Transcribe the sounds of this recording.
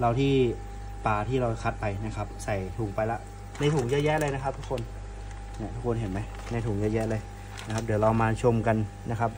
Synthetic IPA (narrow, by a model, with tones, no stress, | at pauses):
ɾa˧wt̪ʰiː˥˩ | paː˨˩t̪ʰiː˥˩ɾa˧wkʰa˦˥t̪̚pa˧jna˦˥kʰa˦˥p̚sa˨˩jt̪ʰu˨˩˦ŋpa˧jla˦˥ʔ | na˧jt̪ʰuː˨˩˦ŋjɛː˦˥jɛː˦˥˧lɤː˧jna˦˥kʰa˦˥p̚t̪ʰu˦˥kʰːo˧n | na˦˥t̪ʰu˦˥kʰːo˧nhɦe˨˩˦nma˦˥j | na˧˩jt̪ʰuː˨˩˦ŋjɛː˧˥˩jɛː˦˥ʔlɤː˧j | na˦˥kʰa˦˥p̚duː˨˩˦ɾla˧wmaː˧nt͡ɕʰo˧mka˧n | na˦˥kʰa˦˥p̚